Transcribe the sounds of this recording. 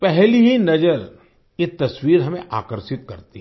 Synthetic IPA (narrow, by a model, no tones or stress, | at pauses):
pɛɦliɦinɐd͡ʒəɾ | jet̪ɐswiːɾɦɐmẽʔa̰ːkəɾsɪt̪̚kɐɾt̪iɦɛ